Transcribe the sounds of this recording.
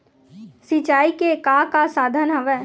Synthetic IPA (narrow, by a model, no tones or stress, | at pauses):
sit͡ʃaːikekakasaːd̪ʱənɦəʋɛ